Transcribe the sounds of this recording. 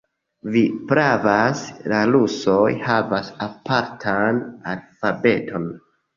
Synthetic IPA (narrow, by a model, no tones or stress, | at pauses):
vipɾavaslaluso̞jhavasapʰaɾtʰana̰lfabe̞tʰo̞n